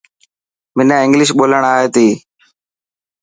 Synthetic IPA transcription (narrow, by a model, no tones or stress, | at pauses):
mɪnãːɪ̃ŋɡlɪʃ̬ɓoːləɳ̃aːɦeːt̪iː